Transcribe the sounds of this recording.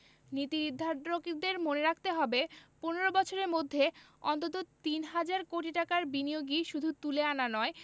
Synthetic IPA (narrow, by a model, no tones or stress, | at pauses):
nit̪iɾid̪ʱːaɾɾokid̪eɾmoneɾak̚ʰt̪eɦɔbeponeɾobɔt͡ɕʰoɾeɾmod̪ʱːe | ɔ̰nt̪̬ot̪̬ot̪inɦad͡ʑaɾkoʈiʈakaɾbinijoɡiʃud̪ʱut̪uleananɔe